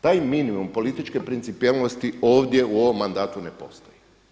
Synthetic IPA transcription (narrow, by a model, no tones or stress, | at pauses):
t̪aːjminimumpo̞lit̪it͡ʃke̞pɾint̪sipielnost̪io̞ːʋd̪je̞uo̞ʋo̞mːand̪aːt̪une̞po̞̰st̪oji